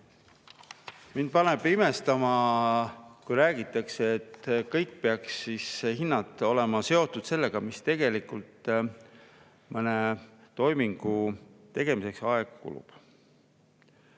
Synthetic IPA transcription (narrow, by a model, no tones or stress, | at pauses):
mind̪̥̚pɑneb̥ime̞st̪ɑmɑ | kujɾæːɡ̥it̪ˑːɑkseet̪kɤjkːpeɑksːishinːɑd̪ˑo̞le̞mɑse̞o̞t̪ːˑud̪̥se̞lːe̞ɡ̥ɑmist̪e̞ɡe̞likult̪ | mɤne̞t̪o̞jmiŋɡ̥ut̪e̞ɡ̥e̞mise̞ksɑeɡ̥kṵlṵb̥